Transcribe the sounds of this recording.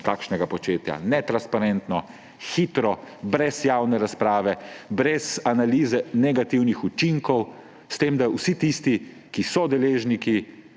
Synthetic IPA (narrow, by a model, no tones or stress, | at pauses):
t̪aːkʃnɛɡapɔt͡ʃeːt̪ja̰nɛt̪ɾanspaɾɛnt̪nɔ | xit̪ɾɔbɾɛzjaːwnɛɾaspɾaːʋɛbɾɛzanaliːzɛnɛɡat̪iwnixut͡ʃiŋkɔw | st̪eːmd̪awsit̪ist̪i | kisɔd̪ɛleːʒniki